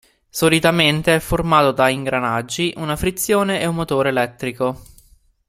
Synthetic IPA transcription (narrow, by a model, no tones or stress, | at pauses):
solit̪ament̪eɛfːormaːt̪od̪aiŋɡɾanad͡ʒːiʔunafɾit̪sːjoːneʔeunmːot̪oːɾeːlɛt̪ːɾiko